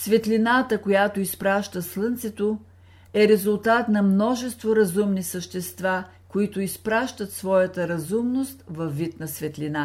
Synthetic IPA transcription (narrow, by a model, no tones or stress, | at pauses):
svɛt̪linat̪əkojat̪oispɾaʃt̪əslˠɤnt̪sɛt̪o | ɛɾɛzʊlˠt̪at̪nɐmnɔʒɛst̪voɾɐzumnisəʃt̪ɛst̪va | koit̪ʊispɾaʃt̪ət̪svɔjət̪əɾɐzumnost̪vɐfːit̪nɐsvɛt̪lina